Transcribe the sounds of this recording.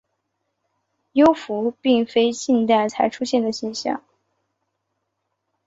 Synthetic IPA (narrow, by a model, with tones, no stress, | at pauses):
jo˥ʊfu˧˥pi˥˩ŋfe˥ɪt͡ɕi˥˧nt̪a˥˩ɪt͡sʰa˧˥ɪʈ͡ʂʰu˥ɕjɛ˥˩nd̪ə˩ɕɛ˥˧nɕjɑ̰˥˩ŋ